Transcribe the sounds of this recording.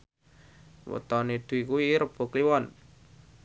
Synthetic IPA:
wə̰t̪ɔnid̪̥ṳikuiɾəb̥o̤kliwɔn

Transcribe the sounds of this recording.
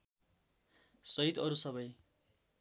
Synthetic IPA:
sʌit̪ʌɾusʌβʌj

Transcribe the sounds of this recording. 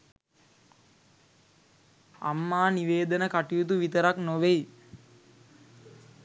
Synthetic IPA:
a̰mːaːniʋeːd̪ənəkaʈijut̪uʋit̪əɾaknoʋej

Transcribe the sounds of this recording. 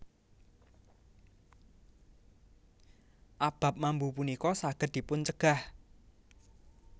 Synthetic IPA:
ʔab̥a̤p̚mambupunikɔsaɡ̥ə̤d̪̚d̪̥i̤pʊnt͡ʃəɡ̥a̤h

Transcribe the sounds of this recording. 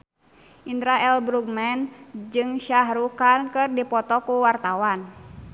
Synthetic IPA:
ʔind̪ɾaɛlbɾuɡmɛnd͡ʒɨŋʃaɦɾukankɨrdipɔt̪ɔkuwart̪awan

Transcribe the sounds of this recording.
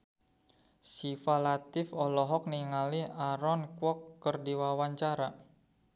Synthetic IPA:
sifalat̪ɪfɔlɔɦɔk̚niŋaliʔaɾɔnkwɔkːərdiwawaɲt͡ʃaɾa

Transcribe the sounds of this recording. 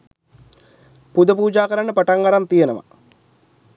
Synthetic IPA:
pud̪ɐpuːd͡ʒaːkɐɾaɳəpɐʈaŋɡɐɾant̪ijenɐʋɐ̰

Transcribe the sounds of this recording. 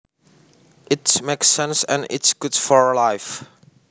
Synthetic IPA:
ʔɪtsmeɪksɛ̃nsɨ̰̃nɪ̰tsɡ̥ʊdsfɔɹlaɪf

